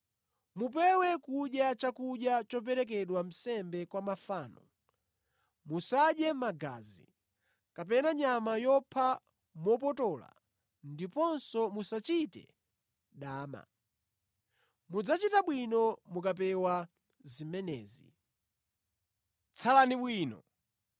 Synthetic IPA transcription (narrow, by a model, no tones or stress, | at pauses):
mup̬ɛwɛkuɗjat͡ʃakuɗjat͡ʃɔp̬ɛɾɛk̬ɛɗwam̩sɛmbɛkwamafaːnɔ | musaɗjɛmaɡa̰zḭ | kap̬ɛnaɲamajɔpʰa | mɔpɔtɔla̰ | ndipɔnsɔmusat͡ʃitɛ̰ | ɗaːma̰ | mud͡zat͡ʃitaɓwinɔmukapɛwa | zimɛnɛ̰ːzi | t͡sʰalaniɓwiːnɔ̰